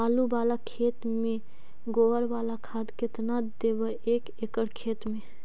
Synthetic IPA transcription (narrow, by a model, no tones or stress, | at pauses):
aːlubaːlakʰeːt̪mẽ | ɡoəɾʋaːlakʰaːd̪kɪt̪nad̪ebəʔeːkekəɽkʰeːt̪mẽ